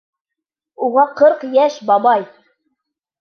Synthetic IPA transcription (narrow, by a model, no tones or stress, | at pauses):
uʁɑqɤɾqjæʃbɑbɑj